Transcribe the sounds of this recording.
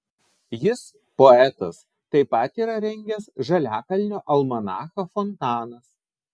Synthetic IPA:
jɪs | poɛt̪ɐs | t̪ɐɪpɐt̪iːɾɐɾʲɛŋʲɡʲɛsʒɐlʲæːkɐlʲnʲoːʔɐlˠmɐnɑːxɐfɔnt̪ɑːnɐs

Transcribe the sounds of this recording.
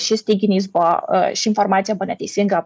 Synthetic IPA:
ʃisʲt̪iɡʲinʲiz̬ba̰ʃiinformat̪sʲijabənat̪isʲiŋɡap

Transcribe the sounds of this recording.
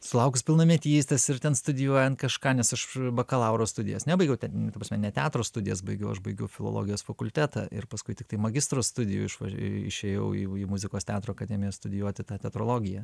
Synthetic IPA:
sʊlˠɐʊkʊspʲɪlˠnɐmʲiɛt̪ʲiːst̪ʲɐsɪɾt̪ʲɛnst̪ʊd̪ʲɪjuɔjɛnkɐʃkɑːnʲɛsɐʃbɐkɐlˠɑʊɾost̪ʊdʲɪ̰jɛ̰snʲɛbɐɪɡʲɛʊt̪ʲɛnt̪ɐpɾɐsmʲɛnʲɛt̪ʲaːt̪ɾoːst̪ʊd̪ʲɪjɛsbɐɪɡʲɛʊɐʃbɐɪɡʲɛʊfʲɪlˠo̰lˠo̰ːɡʲɪjoːsfɐkʊlʲt̪ʲæːt̪ɑ̰ːʔɪ̰rpɐskʊɪt̪ʲɪkt̪ɐɪmɐɡʲɪst̪ɾoːst̪ʊd̪ʲɪjʊ̰ːɪʃʋɐ̰ɪ̰ʃʲeːjɛʊḭːiːmʊzʲɪkoːstʲɑːt̪ɾoːɐkɐd̪ʲɛmʲɪjoːst̪ʊd̪ʲɪjuɔt̪ʲɪt̪ɑːt̪ʲɛt̪ɾoːlˠoːɡʲɪjɛː

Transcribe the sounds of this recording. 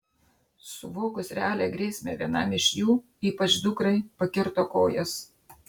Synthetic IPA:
sʊʋoːkʊsɾʲɛaːlʲeːɡɾʲeːsʲmʲḛʋʲiɛnɑ̰mɪʃʲjuː | iːpɐt͡ʃd̪ʊkɾɐɪpɐkʲɪɾt̪oːkoːjɛs

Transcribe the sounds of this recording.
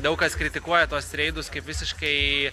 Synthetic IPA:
d̪ɐʊkɐskɾʲɪt̪ʲɪkuɔjɛt̪uɔsɾʲɛɪd̪ʊskɐɪpʋʲɪsʲɪʃkɐɪ

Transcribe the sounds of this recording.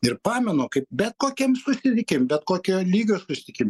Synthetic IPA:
ɪrpɑːmʲɛnoːkɐɪp̚bʲɛt̪̚koːkʲɛmsʊsʲɪt̪ʲɪkʲɪmbʲɛt̪koːkʲoːlʲiːɡʲoːsʊsʲɪ̥t̪ʲɪkʲɪm

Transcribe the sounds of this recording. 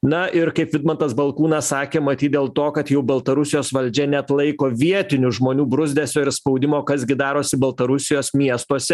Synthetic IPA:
nɐɪɾkɐɪpʋʲɪd̪mɐnt̪ɐsbɐlˠkuːnɑssɑːkʲeːmɐt̪ʲiːt̪d̪ʲeːlˠt̪oːkɐt̪jɛʊbɐlˠt̪ɐɾʊsʲɪjoːsʋɐlʲd͡ʒʲɛnʲɛɐt̪lˠɐɪkoːʋʲiɛt̪ʲɪnʲʊʒmoːnʲuːbɾʊzʲd̪ʲæːsʲoːɪɾspɐʊd̪ʲɪmoːkɐzɡʲɪd̪ɑːɾoːsʲɪbɐlˠt̪ɐɾʊsʲɪjoːsmʲiɛst̪uɔsʲɛ

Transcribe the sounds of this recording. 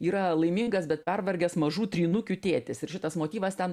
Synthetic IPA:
iːɾɐlˠɐɪmʲiŋɡɐsbʲɛt̪̚pʲɛrʋɐɾʲɡʲɛsmɐʒuːt̪ʲɾʲiːnʊkʲʊt̪ʲeːt̪ʲɪsɪɾʃʲɪt̪ɐsmoːt̪ʲiːʋɐst̪ʲɛn

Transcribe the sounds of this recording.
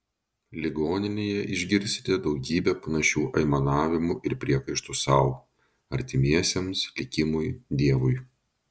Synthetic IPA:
lʲɪɡoːnʲɪnʲeːjɛʔɪʒʲɡʲɪɾʲst̪ʲɪ̥t̪ʲɛd̪ɒʊɡʲiːbʲɛpɐnɐʃʲuːʔɐɪmɐnɑːʋʲɪmʊʔɪɾpʲɾʲiɛkɐɪʃt̪usɑˑʊ | ɐɾʲt̪ʲɪmʲiɛsʲemslʲɪkʲɪmʊjd̪ʲiɛʋʊj

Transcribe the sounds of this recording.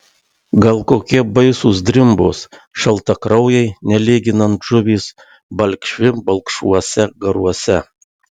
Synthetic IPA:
ɡɐlˠkoːkʲiɛbɐɪsus̬d̪ʲɾʲɪmbʊsʃɐlˠt̪ɐkɾɐʊjɛɪnʲɛlʲiːɡʲɪnɐnt̪ʒʊʋʲiːs | bɐlʲkʃʲʋʲɪbɐlˠkʃuɔsʲɛɡɐɾuɔsʲɛ

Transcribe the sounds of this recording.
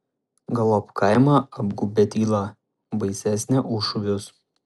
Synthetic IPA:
ɡɐlˠopkɐɪmɑˑɐbɡubʲɛt̪ʲiːlˠɑ | bɐɪsʲæsʲnʲɛʔʊʃʊʋʲʊs

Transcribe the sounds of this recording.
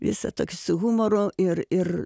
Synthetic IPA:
ʋʲɪ̰sɐt̪oːkʲɪsʊɣumoroːɪrɪr

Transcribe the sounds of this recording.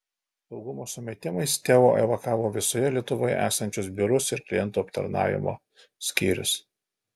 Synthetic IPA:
sɒʊɡʊmoːsʊmʲɛt̪ʲɪmɐɪst̪ʲæːʋo̰ːʔɛʋɐkɑːʋoːʋʲɪsoːjɛlʲiɛt̪ʊʋoːjɛ̰ʔæ̰ːsɐnʲt͡ʃʲʊsbʲɪɾʊsɪɾklʲɪjɛnt̪uːɐpt̪ɐ̰ɾnɑ̰ːʋʲɪ̰mo̰ː | sʲkʲiːɾʲʊ̰s

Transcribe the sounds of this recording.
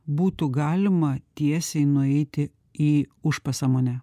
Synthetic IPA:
buːt̪ʊɡɑːlʲɪmɐt̪ʲiɛsʲɛɪnʊɛɪt̪ʲɪ | iːʊʃpɐsɑːmoːnʲɛ

